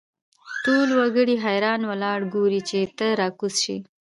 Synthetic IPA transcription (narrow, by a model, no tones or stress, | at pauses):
ʈolwaɡəɽiɦajɾɑnwəlɑɽɡoɾit͡ʃet̪əɾɑkusʃḭ